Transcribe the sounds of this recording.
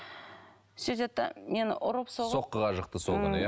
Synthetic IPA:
sɵzet̪ːa̰me̞nʔʊɾəpso̞sʁo̞qːəʁɑʒəq̚t̪əsolˠɪnəj

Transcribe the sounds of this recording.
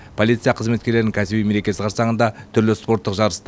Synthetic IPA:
pʰo̞lˠit̪sɨjɑqʰəzmet̪kʲe̞ɾleɪɪŋkʲʰæsɪbijme̞ɾe̞kʲe̞sɪqʰɑɾsɑʁənd̪ɑt̪ʰʏɾlɪspo̞ɾt̪ːəqʒɑɾəst̪

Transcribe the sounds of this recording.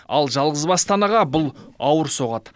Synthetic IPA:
ɑ̰lˠʒɑlˠʁəzbɑst̪ɑnɑʁɑbʊlˠɑwəɾso̞ʁɑt̪

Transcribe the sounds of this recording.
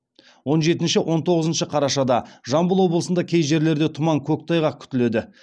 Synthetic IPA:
wo̞nʒe̞t̪ɪnʃɪwʔo̞nt̪ʰo̞ʁəzənʃəqʰɑɾɑʃɑd̪ɑʒɑmbəlˠwo̞blˠəsənd̪ɑkʲʰe̞jʒe̞ɾle̞ɾd̪e̞t̪ʰʊmɑŋkʲʰɵk̚t̪ʰɑjʁɑkʲʰʏ̥t̪ɪle̞d̪ɪ

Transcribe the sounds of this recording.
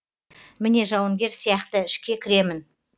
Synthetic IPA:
mɪne̞ʒɑwəŋɡʲe̞ɾsijɑqt̪əɪʃkʲe̞kʲʰɪɾe̞mɪn

